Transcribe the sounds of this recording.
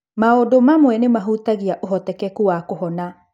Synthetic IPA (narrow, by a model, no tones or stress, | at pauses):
maodomamwɛnemaɦutaɣiaʔoɦɔtɛkɛkuwakohɔna